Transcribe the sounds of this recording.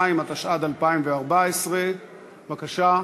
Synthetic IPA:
imat̪aʃad̪alpaimveaʁbaesʁe | vakaʃa

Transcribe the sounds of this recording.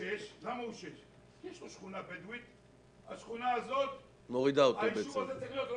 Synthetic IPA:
eʃlamauʃeʃ | jɛʃloʃχunabed̪wit̪ | a̰ʃχunaːzot̪̚ | moʁid̪aotebeʃat̪at͡seχiot̪

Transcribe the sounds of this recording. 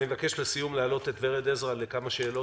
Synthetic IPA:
imevake̞ʃbesijumleaːlo̞t̪e̞t̪veʁedezʁalekamaʃe̞ːlo̞

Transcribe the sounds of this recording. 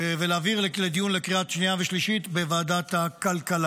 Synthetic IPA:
velaːviʁlled̪ijunlekʁiatʃniave̞ʃliʃit̪bevaːdat̪hakalkala

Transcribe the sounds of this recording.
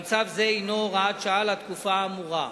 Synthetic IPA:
t͡savze̞inoʁaat̪ʃaalat̪kufaːmuʁa

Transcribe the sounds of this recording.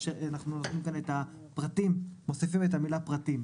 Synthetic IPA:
ʃeanaχnunat̪nimkane̞t̪a | pʁat̪imːo̞sifimet̪amilapʁat̪im

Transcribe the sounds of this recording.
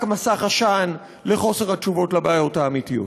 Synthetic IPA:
kmasaχaʃan | le̞χo̞se̞ʁhat͡ʃuvo̞tlabaːjo̞taːmitijo̞̰t

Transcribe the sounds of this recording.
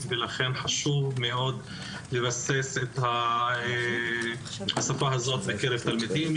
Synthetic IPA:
velaχe̞nħaʃuvmeo̞d̪ | levaseset̪hae | hasafaɦazo̞t̪lekeɾevt̪almid̪im

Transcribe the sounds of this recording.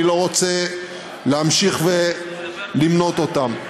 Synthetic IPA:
ilo̞ʁot͡se | leamʃiχve | limno̞t̪ot̪am

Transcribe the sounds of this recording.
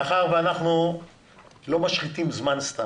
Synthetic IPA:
χaʁveanaχnu | lo̞maʃχit̪imzmanst̪a

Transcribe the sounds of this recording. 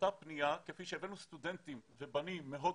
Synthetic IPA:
t̪apnijakefiʃɛevɛnust̪ud̪ɛnt̪imvebanimːeɦo

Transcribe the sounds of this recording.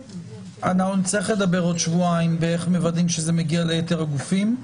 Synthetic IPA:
anaχunt͡sliχle̞d̪abe̞ʁo̞d̪ʃvuaimbeeχmevadimʃezemeɡialejete̞ʁaɡufim

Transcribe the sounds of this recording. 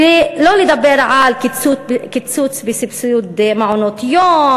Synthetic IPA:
iloːlid̪abːeːɾʕaːlkɪt̪sut̪kɪt̪suːt̪sbisɪbsuːd̪emaʕunoːt̪joː

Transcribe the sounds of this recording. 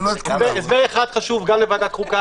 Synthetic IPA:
ozezeːχad̪̥χaʃuvɡamlevad̪akʁuka

